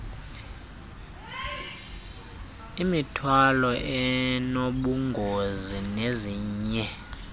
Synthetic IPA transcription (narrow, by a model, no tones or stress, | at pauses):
imitʰwalɔʔɛnoɓuŋɡʱozineziːɲɛ